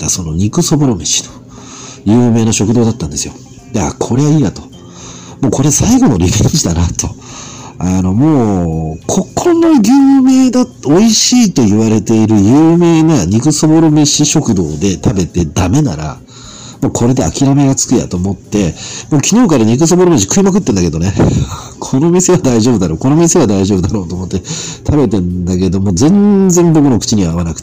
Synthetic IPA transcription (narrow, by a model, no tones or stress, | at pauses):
t̪aso̞no̞ɲ̟ikɯ̟so̞bo̞ɾo̞meɕi̥t̪o̥ | jɯ̟ːme̞ːnaɕo̞kɯ̟d̪o̞ːd̪at̪ːãnd̪e̞sɨjo̞̰ | d̪akʰo̞ɾe̞βaiːjat̪o̞̥ | mo̞ːko̞ɾe̞saiɡo̞no̞ɾʲibẽɲd͡ʑid̪anat̪o̞ | ano̞mo̞ːkʰo̞kʰːonnːaɡʲɯːmeːd̪ao̞iɕiːt̪o̞jɯβaɾe̞t̪e̞iɾɯ̟jɯːme̞ːnaɲ̟ikɯ̟so̞bo̞ɾomeɕiɕo̞kɯ̟d̪o̞̰ːd̪e̞t̪ʰabe̞t̪e̞d̪ame̞naɾa̰ | mokʰo̞ɾe̞d̪e̞a̰kʲiɾame̞ɡat͡sɨ̥kɯ̟ja̰t̪o̞ːmo̞t̪ːe̞moːkʲino̞ːkaɾaɲ̟ik̬ɯ̟s̬oboɾomeɕ̬i̥kɯ̟imak̬ɯ̟t̪ːẽ̞nd̪ake̞d̪o̞ne̞kʰo̞no̞mʲise̞βad̪aiʑo̞ːbɯ̟d̪aɾo̞ːko̞no̞mʲiseβad̪aiʑo̞ːbɯ̟d̪aɾo̞ːt̪o̞ːmo̞t̪ːet̪ʰabe̞t̪ẽ̞nd̪ake̞d̪o̞mo̞zẽ̞nd͡zẽ̞mbo̞kɯ̟no̞kɯ̟̥t͡ɕiɲ̟iβaːβanakɯ̟̥